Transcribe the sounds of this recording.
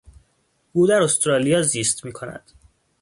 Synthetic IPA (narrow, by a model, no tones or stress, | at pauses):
ɡ̥uːd̪æɾost̪ɾɒːlijɒːziːst̪miːkʰo̞næ̰d̪̥